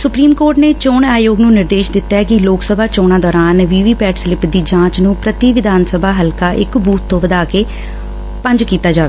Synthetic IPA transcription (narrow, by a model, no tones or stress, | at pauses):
sʊpɾiːmkoːɾʈneːt͡ʃoːnaːjoːɡnũːnɪɾd̪eːʃd̪ɪt̪ːaːkɪloːksəbʱaːt͡ʃoːnãːd̪ɔːɾaːnʋiːʋiːpɛːʈsɪlɪpd̪iːd͡ʒãːt͡ʃnũːpɾət̪iʋɪd̪ʱaːnsəbʱaːɦəlkaːʔɪ̰kbuːt̪ʰːõːʋəd̪aːkeː | pə̃ɲd͡ʒkiːt̪aːd͡ʒaːʋeː